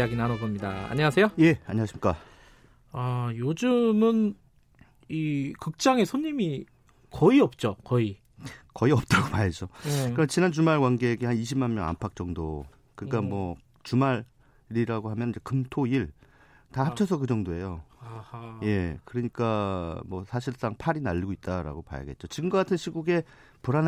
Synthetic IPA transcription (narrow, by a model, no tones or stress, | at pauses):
aɡinanoɡʌmɲida̰a̰ɲʌasʰe̞joje̞aɲʌŋaɕʰimik͈a | ajod͡ʑɯmɯn | ikɯk̚t͡ɕ͈aŋe̞sʰoɲːimi | kʌiʌp̚t͡ɕ͈okʌi | kʌiʌp̚t͈aɡomaɭd͡ʑokɯɾt͡ɕinant͡ɕumaɭɡwanɡe̞ːɡehaniɕʰipmanmjʌŋa̰mpʰak̚t͡ɕ͈ʌŋdo | kɯɲik͈amwʌ | t͡ɕumaɾ | ɾiɾaɡoɦamjʌnind͡ʑe̞kɯmtʰoiɭ | tahap̚t͡ɕʰʌsʰʌkɯd͡ʑʌŋdoe̞jo | je̞kɯɾʌɲik͈amwʌsʰaɕʰiɭs͈aŋpʰaɾinaʎːiɡoit̚t͈aɾa̰ɡopa̰ja̰ɡe̞t̚t͡ɕ͈ot͡ɕiɡɯmɡʌk͈atʰɯnɕʰiɡuɡe̞ | puɾan